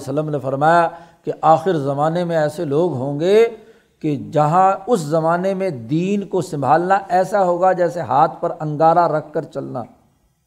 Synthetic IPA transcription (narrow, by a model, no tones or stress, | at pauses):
sələmnefɐɾmaːjakeʔaːxɪɾzɐmaːnemẽɛːseloːɡɦõːŋɡe | ked͡ʒɐɦãʊszɐmaːnemẽd̪iːnkosɐ̃mbʱaːlnaʔɛːsaɦoːɡad͡ʒɛːseɦaːt̪ʰpɐɾɐ̃ŋɡaːɾaɾɐkʰːɐɾt͡ʃɐlna̰ː